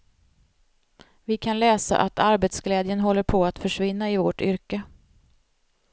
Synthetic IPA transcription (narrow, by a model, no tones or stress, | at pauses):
vɪkʰanlɛːsa̰ʔat̪ʰaɾbɛt̪sɡlɛːd̪jənɦɔlːəɾpʰɔat̪fœʂvɪnːaɪvoʈʏɾkə